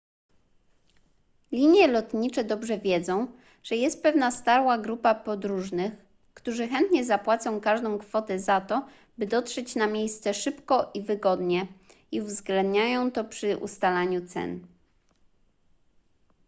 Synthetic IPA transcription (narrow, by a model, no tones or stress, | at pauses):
lʲiɲjɛlɔt̪ɲit͡ʂɛd̪ɔbʐɛvʲjɛd̪zɔ̃w̃ | ʐ̥ɛjɛst̪̚pɛvn̪ast̪aɾwaɡɾupapɔd̪ɾuʐnɘx | kt̪uʐɘxɛnt̪ɲɛzapwat̪sɔ̃w̃kaʐd̪ɔ̃w̃kfɔt̪ɛzat̪ɔ | bɘd̪ɔt̪ʂɛt͡ɕnamʲjejst̪sɛʂɘpkɔʔivɘɡɔd̪ɲɛ | iuvzɡlɛnd̪ɲajɔ̃w̃t̪ɔpʂɘʔṵst̪alaɲut̪sɛ̰n